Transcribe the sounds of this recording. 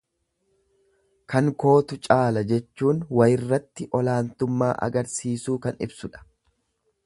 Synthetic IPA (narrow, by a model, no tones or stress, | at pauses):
kɐŋko̞ːt̪ʊt͡ʃʼaːlɐd͡ʒɛt͡ʃːuːnwɐjɪrːɐt̪ːɪʔɔlaːnt̪ʊmːa̰ːʔɐ̰ɡɐɾsiːsuːkɐnɪ̰bsʊᶑɐ̥